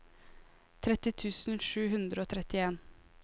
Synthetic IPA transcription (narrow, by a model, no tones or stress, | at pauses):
t̪ʰɾɛt̪ɪt̪ʰʉːsn̩ʃʉːhʉnd̪ɾəoːt̪ʰɾɛt̪ɪeːn